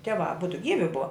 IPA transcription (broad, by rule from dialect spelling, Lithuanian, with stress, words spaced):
ˈtʲiɛˌʋɑː ɐˈbʊdʊ ˈɡʲiːʋʲɪ ˈbʊʋɐ